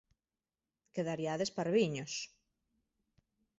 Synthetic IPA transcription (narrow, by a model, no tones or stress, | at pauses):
keðaɾjaðespaɾβiɲos